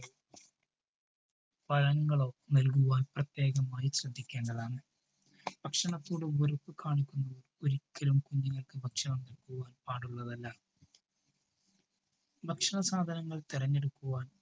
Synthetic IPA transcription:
pɐlɐŋːɐɭoːnɐlkuʋaːnprɐt̪je̞ːɣɐmaːjiɕrɐd̪ʱːikʲːeːɳɖɐðaːɳɨ | b̥ɐkʂɐɳɐt̪ːuːɽumɡoɾɐpːɨkaːɳikʲːunːɐʋɐroɾikʲːɐlumkuɲːuŋːɐɭkɨbʱɐkʂɐɳɐmnɐlkuʋaːnpaːɽuɭːɐðɐlːɐ | bʱɐkʂɐɳɐsaːd̪ʱɐnɐŋːɐɭt̪irɐɲːe̞ɽukːuʋaːn

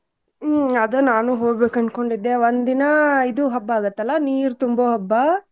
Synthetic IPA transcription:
ɐd̪ɐnaːnuɦoːɡbeːkɐɳɖ̚ko̞ɳɖid̪ːeʋond̪inɐid̪uɦɐbːɐaːɡɐt̪ːɐlːɐniːɾut̪umbɐɦɐbːɐ

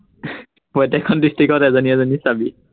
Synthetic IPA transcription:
pɔtɛkʰɔndistɹikɔtɛzɔniɛzɔnisabi

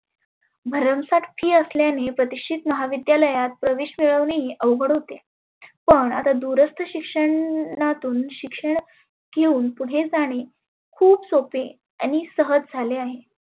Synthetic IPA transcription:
bʱəɾəmsat̪fʰiːəsljanepɾət̪iʂʈʰit̪məɦaʋid̪jaləjat̪̚pɾəʋeɕmiɭəʋɳeɦiʔəʋɡʱəɽɦot̪e | pəɳa̰t̪ad̪uɾəst̪ʰəɕikʂəɳːat̪uːnɕikʂəɳ | ɡ̥euːnpuɽ̤ed͡zaɽ̃e | kʰuːpsope | a̰ñisəɦəd͡zd͡zʱaleaɦe

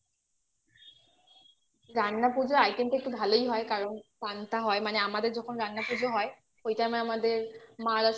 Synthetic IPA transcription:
ɾanːapud͡ʑoajkenʈek̚ʈubʱalojɦɔekaɹɔnpant̪aɦɔemaneamad̪eɾd͡ʑɔkʰonɾanːapud͡ʑoɦɔe | ojtamaamad̪eɹmaɾa

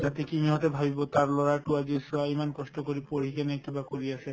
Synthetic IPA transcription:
d͡ʒat̪ekimiɦɔt̪ebʱabibɔt̪aɹlɔɹaʈuad͡ʑisɔaimankɔsʈɔkoɾipoɾ̤ikenekibakoɾiasʰe

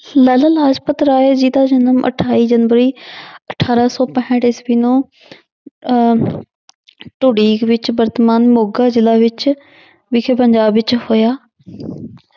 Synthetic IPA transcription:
ləːləlaːd͡ʒpət̪ɾaːed͡ʒiːd̪aːd͡ʒənəmʔə̰ʈʰaːiːd͡ʒənʋəɾiːəʈʰaːɾasɔːpəɦɪ̃ʈɪsbiːnõː | ʈʊɽiːkʋɪt͡ʃbəɾt̪maːnmoːɡaːzɪlaːʋɪt͡ʃ | ʋɪkʰepəɲd͡ʒaːbʋɪt͡ʃhoːjaː

